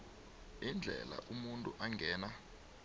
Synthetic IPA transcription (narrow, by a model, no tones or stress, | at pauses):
ind͡ɮʱɛ̰la̰ʔumuntʼuʔaŋɡʱɛːna